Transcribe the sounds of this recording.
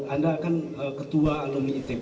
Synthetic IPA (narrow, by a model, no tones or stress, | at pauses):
andaːkan | əkət̪uaːloniit̪e